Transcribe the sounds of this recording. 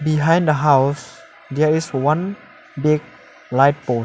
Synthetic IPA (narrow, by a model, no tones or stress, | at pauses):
biɦãj̃ndəɦaws | dɛiswãn | bik̚ | laɪt̚po